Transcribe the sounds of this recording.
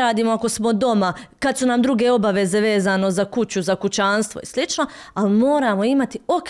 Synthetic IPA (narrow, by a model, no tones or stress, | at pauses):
aːd̪iːmoako̞smo̞d̪o̞makad̪sunamd̪ɾuɡe̞o̞baʋe̞ze̞ʋe̞ːzano̞zakut͡ɕuzakut͡ɕaːnst̪ʋo̞̰ḭslit͡ʃno̞alimo̞ːɾaːmo̞imat̪io̞k